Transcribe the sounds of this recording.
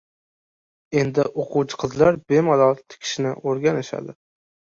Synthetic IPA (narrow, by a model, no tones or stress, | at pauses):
e̞nd̪ɪʔoqʰuwt͡ʃʰɪ̥qʰɨzlaɾbemalɒlˠt̪ʰɪ̥kʲʰɪ̥ʃnɪʔoɾɡʲanɪʃa̰d̪ɪ